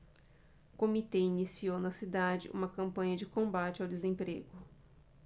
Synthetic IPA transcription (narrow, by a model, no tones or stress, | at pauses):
kõmit̪einisiownɐsid̪ad͡ʒɪ̰ʔṵ̃mɐkɐ̃mpɐ̃ɲɐd͡ʒɪkõbat͡ʃɪawd̪ezẽpɾeɡʊ